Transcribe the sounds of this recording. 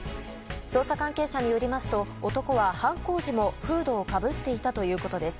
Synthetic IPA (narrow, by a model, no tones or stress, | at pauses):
so̞ːsakãŋke̞ːɕaɲ̟ijo̞ɾʲimasɨ̥t̪o̞ot̪o̞ko̞βahãŋko̞ːʑimo̞ɸɯ̟ːd̪o̞ːkabɯ̟t̪ːe̞it̪at̪o̞jɯ̟ːko̞t̪o̞d̪e̞sɨ̥